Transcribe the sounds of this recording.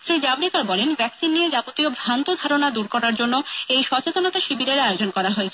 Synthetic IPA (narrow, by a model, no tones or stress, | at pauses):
sɾid͡ʑabɾikaɾbɔlenbɛksinːied͡ʑapot̪iobʱant̪od̪ʱaɾonad̪uɾkɔɾaɾd͡ʑonːoejʃɔt͡ɕet̪onot̪aʃibiɾeɾaeod͡ʑonkɔɾaɦoet͡ɕʰe